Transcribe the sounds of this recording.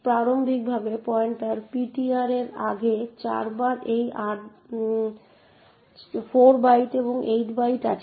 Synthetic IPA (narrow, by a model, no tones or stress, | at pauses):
pɾaɾombʱik̚bʱabepɔeɳʈaɾpiʈiaɾeɾa̰ɡet͡ɕa̰ɾbaɾʔejʔaʈ | fʰoɾbajʈeboŋʔejʈbajʈa̰t͡ɕʰ